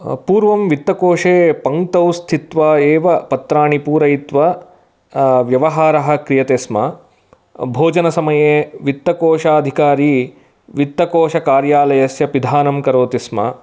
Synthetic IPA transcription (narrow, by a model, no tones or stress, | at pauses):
puːɾʋɐmʋit̪ːɐkoːʂeːpɐŋt̪ɐwst̪ʰit̪ʋaːeːʋɐpɐt̪ɾaːɳipuːɾɐjit̪ʋɐ | ʋjɐʋɐɦaːɾɐɦɐ̆kɾijɐt̪eːsmɐ | bʱoːd͡ʒɐnɐsɐmɐjeːʋit̪ːɐkoːʂaːɐd̪ʱikaːɾi | ʋit̪ːɐkoːʃɐkaːɾjaːlɐjɐsjɐpid̪ʱaːnɐmkɐɾoːt̪ismɐ̰